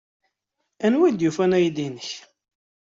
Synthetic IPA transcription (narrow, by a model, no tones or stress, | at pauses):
ænwæd̪jufænæjd̪inəç